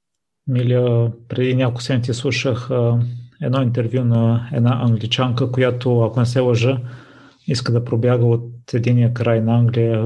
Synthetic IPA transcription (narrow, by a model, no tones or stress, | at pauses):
miliəpɾɛd̪inʲakolˠkʊsɛmnit̪ʲislˠuʃəx | ɛd̪nɔint̪ɛɾvjunɐɛd̪naʔɐŋɡlʲit͡ʃaŋkəkojat̪oakonɛsɛlˠɐʒə | iskəd̪ɐpɾobjaɡəot̪ɛd̪inijəkɾajnɐaŋɡlijə